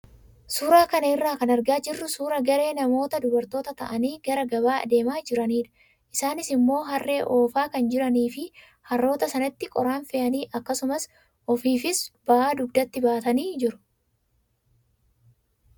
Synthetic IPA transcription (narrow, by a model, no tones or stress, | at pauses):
suːɾaːkɐnɐɪrːaːkɐnɐɾɡaːd͡ʒɪrːʊsuːɾɐɡɐɾe̞ːnɐmo̞ːt̪ɐd̪ʊbɐɾt̪o̞ːt̪ɐt̪ɐ̰ʔɐniːɡɐɾɐɡɐβa̰ːd̪e̞ːmaːd͡ʒɪɾɐniːᶑ̪ɐ | ʔɪsaːnɪsɪmːo̞ːɦɐrːe̞ːʔo̞ːfaːkɐnd͡ʒɪɾɐniːfɪ | hɐrːo̞ːt̪ɐsɐnɐt̪ːɪkʼɔɾaːnfɛʔɐniːʔɐkːɐsʊmɐs | ʔɔfiːfɪsb̥ɐʔaːd̪ʊbd̪ɐt̪ːɪbaːt̪ɐniːd͡ʒɪɾʊ̥